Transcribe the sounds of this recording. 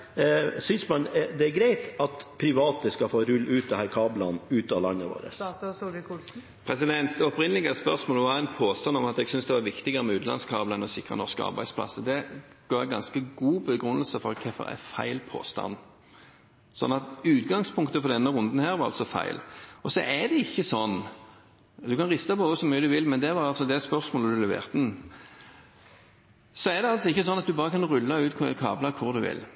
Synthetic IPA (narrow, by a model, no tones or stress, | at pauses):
sʏnsmɑnd̪ɛæɾɡɾæɪt̪ɑt̪pʰɾɪʋɑːt̪əskɑfoːɾʉlːʔʉːt̪̚d̪ɛhæːɾkʰɑːblɑnʉːt̪ɑʋlɑ̰ŋːəʋo̰ːɾə̰s | pʰɾɛsɪd̪ɛnt̪ɔpɾɪnəlɪɡəspœʁsmoːlɔʋɑɛɪnpʰoːst̪ɑnɔmɑt̪ɛɡsʏnsd̪ɛʋɑʋɪkt̪ɪɡəɾəmɛʉːt̪lɑ̰nskʰɑːbləɛnɔsɪkʁə̰nɔʁʂkəɑ̰ɾbæ̰ɪspʰlɑ̰səd̪ɛɡ̥oːɾɛɡɑnskəɡuːbəɡɾʉnːəlsəfɔɾkʰɛfɔ̰ɾæ̰fæ̰ɪlpʰo̰ːst̪ɑ̰n | sɔ̰nːɑt̪ʉːt̪ɡɑŋspʰʊŋk̚t̪əfɔʁd̪ɛnːəʁʊnd̪n̩hæːʁʋɑʁɑ̰lsɔfæ̰ɪlɔsɔ̰ʔæd̪ɛɪçːəsɔnː | d̪ʉkɑnʁɪst̪ɑpɔʊsɔmyːəd̪ʉʋɪlmɛnd̪ɛʋɑʁɑlsɔd̪ɛspœʁsmoːləd̪ʉlɛʋḛːʁt̪n̩ | sɔæd̪ɛɑlsɔɪçːəsɔnːɑt̪̚d̪ʉbɑːʁəkʰɑnʁʉlːɑʉːt̪kʰkʰɑ̰ːblɑkʰʊʁd̪ʉʋɪ̰l